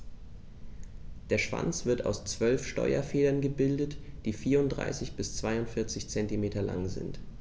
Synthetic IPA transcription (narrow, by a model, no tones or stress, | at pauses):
d̥eːɐʃv̥a̰nt͡sv̥ɪɐta̰ʊst͡sv̥œlfʃtɔ̰ʏɐ̰feːdɐnɡəbɪldətd̥iːfiːɐʊntdʁa̰ɪsɪçb̥ɪst͡sv̥aɪʊntfɪɐt͡sɪçt͡sɛntimeːtɐla̰ŋzɪ̰nt